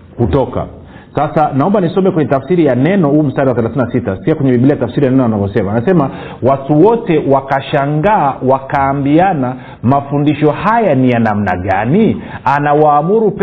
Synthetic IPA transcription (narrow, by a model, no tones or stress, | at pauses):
kutɔka̰ | sasanaɔmbanisɔmbɛkwɛɲɛtafsiɾijanɛnɔhuːm̩staɗiwaθɛlaθininasitaskiakwɛɲɛmiɓilijatafsiɾijanɛnɔanavɔsɛmanasɛma | watuwɔtɛwakaʃaŋɡaːwakaːmbiana | mafundiʃɔhajanijanam̩na̰ɠanianawaːmuɾup